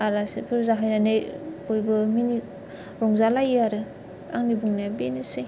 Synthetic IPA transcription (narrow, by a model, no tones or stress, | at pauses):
alasipʰɯɾzaɦajnanejojbɯmini | ɾɔŋzalajaɾɯ | a̰ŋnibuŋnabenɯse